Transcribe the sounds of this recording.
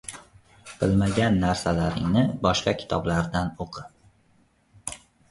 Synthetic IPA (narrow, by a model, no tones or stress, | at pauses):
b̥ɪlˠmaɡʲanːaɾsalaɾɪ̰ŋnɪbɒʃqɑkʲʰɪ̥t̪ʰɒblaɾd̪anoqʰɨ